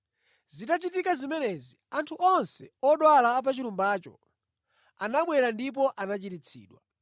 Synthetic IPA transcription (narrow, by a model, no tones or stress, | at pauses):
zitat͡ʃitikazimɛnɛziantʰuʔɔnsɛɔɗwalaːp̬at͡ʃiɾumbaːt͡ʃɔ̰ | anaɓwɛɾandip̬ɔʔanat͡ʃitit͡sʰḭːɗwa